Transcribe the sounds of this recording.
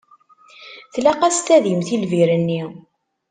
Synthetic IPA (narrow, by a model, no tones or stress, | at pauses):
θlæqæst̪æðimθilviɾənːi